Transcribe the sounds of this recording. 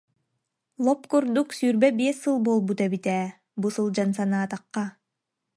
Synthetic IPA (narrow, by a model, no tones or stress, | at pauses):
lˠɔpkuɾd̪uksyɾbɛbieɛsɯlˠbolˠbut̪ɛbit̪æː | busɯlˠd͡ʒansɑnɑːt̪ɑqːɑ